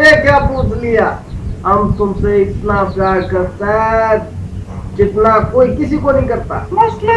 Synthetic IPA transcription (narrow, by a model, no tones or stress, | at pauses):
ɾekjapuːtlɪja | ɦəmt̪ʊmseɪt̪naɡakəɾt̪e | d͡ʒɪt̪nakoːikɪsikonəĩkəɾt̪a̰s